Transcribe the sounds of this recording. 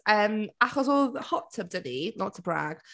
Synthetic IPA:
əːmaχɔs̬ɔhɔtʰəb̚dəninɔtʰəbɹa̰ɡ̥

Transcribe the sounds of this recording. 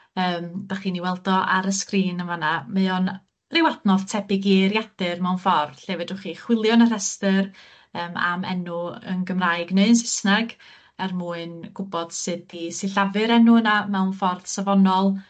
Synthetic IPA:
əːmd̥aχiːniwɛlˠdɔʔaɾəskriːnəmanaməɔn | rɪwadnɔðtʰɛbɪɡiːrjad̥ɨrmɛwnfɔrd̥ɬeːvɛdʊχiχwɪlˠjɔnər̥ɛstər | əːma̰mɛ̰nuə̰nɡəmrajɡneɨənsɪ̥snaɡ | ɛrmuːɨnɡ̥ʊbɔd̥sɨdisɪɬavɨɾɛnʊənamɛwnfɔrd̥savɔnɔlˠ

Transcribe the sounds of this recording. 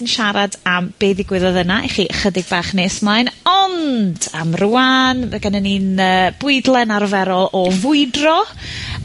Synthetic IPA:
nʃaɾadamb̥eːðɪɡwɪðɔðənaʔɛ̰χiʔəχədɪɡ̚baːχneːsmajnɔndamruanəɡanəniːnəːb̥ʊɨdlˠɛnarvɛɾɔlˠɔvʊɨdrɔ

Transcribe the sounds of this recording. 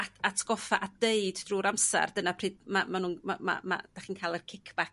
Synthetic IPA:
aatʰɡ̥ɔfaʔadeɨdd̥ruːɾamsɛ̰rd̥ənapʰr̥iːdmamanuːnmama̰ma̰d̥aχiːnkʰaːlˠɛrkʰɪkʰb̥ak

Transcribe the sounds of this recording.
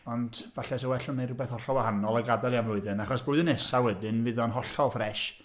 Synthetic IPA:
ɔnd | vaɬɛs̬ɔwɛɬɔnːerʊbɛθhɔɬɔlwahanɔlˠaɡadɛlˠiamrʊɨðɨnaχɔsbʊɨðɨnɛsawɛdɨnvɨðɔnɦɔɬɔlˠfrɛʃ

